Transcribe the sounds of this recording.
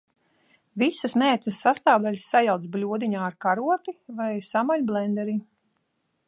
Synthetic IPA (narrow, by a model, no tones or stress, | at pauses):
visəsmɛːt̪səsːast̪aːwd̪alʲssajawt̪s̬blʲuɔd̪iɲaːɾkaɾuɔt̪ivajsamaʎʲblˠɛnd̪ɛɾi